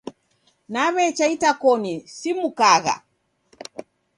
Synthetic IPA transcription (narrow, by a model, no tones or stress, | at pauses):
naβɛt͡ʃaitakɔnisimukaɣa̰